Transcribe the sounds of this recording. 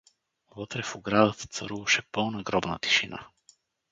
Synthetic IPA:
vət̪ɾɛfʊɡɾad̪ət̪ə̥t̪sɐɾuvɐʃɛpɤnɐɡɾɔbnə̰t̪i̥ʃina̰

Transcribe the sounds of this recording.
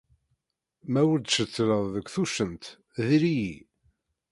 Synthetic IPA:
mæwəɾd̪ʃət͡sːɾəðˤðəɡʷθuʃənt̪ | ðiɾiji

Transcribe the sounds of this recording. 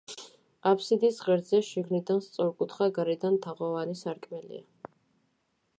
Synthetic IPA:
apʰsid̪isʁɛɾd̪zɛʃiɡnid̪anst̪sʼɔɾkʼut̪ʰχaɡaɾɛd̪ant̪ʰaʁɔvanisaɾkʼmɛlḭa

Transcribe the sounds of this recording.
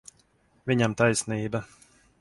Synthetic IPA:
vʲiɲamt̪ajsniːba

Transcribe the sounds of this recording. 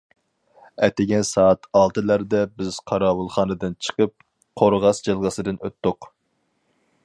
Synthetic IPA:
ɛ̰t̪ɪɡʲɛnsɑːɑt̪ʰɑlˠt̪ɨlæɾd̪ɛbɪz̥qʰɑɾɑːwulˠχɑːnɨd̪ɨnt͡ʃʰə̥qəp̚ | qʰoɾʁɑsd͡ʒɨlˠʁəsɨd̪ɨnøt̪ːʊq

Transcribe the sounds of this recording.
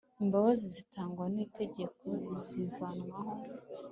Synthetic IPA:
imbaβazizitaːŋɡwanite̞ɟe̞kʰo̞zivanŋwaɦo

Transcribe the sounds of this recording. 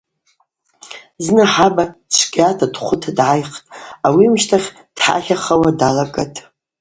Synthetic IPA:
znɨħabat͡ʃʷʰɡʲʼatʰadχʷʊtʰadʕajχtʼawimʃtʰaχʲ | d̥ħa̰χʲaχawadalakʼa̰tʼ

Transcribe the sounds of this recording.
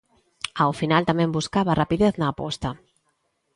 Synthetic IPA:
awfinalt̪amẽmbuskaβarapiðeθnaːpɔ̰st̪a

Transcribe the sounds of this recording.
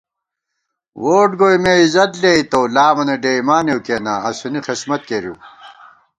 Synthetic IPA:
woːʈɡoːjmeizɐt̪leit̪owlaːmɐneɖeːimaːnjewkeːna̰ɐsunixismɐt̪̚keɾjṵ

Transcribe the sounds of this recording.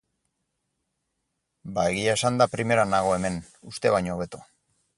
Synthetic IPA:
bae̞ɣiaesand̪apɾime̞ɾanaɣ̞o̞e̞me̞n | ust̪e̞βajɲoːβe̞t̪o

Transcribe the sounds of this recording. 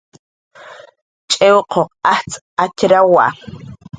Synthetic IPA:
t͡ʃʼewqʰoqaht͡sʼ | acɾawa̰ʔ

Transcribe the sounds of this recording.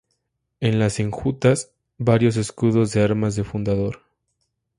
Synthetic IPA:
e̞nlaseŋxut̪as | baɾjo̞s̬e̞skuðo̞zðe̞aɾmazðe̞fund̪aðo̞ɾ

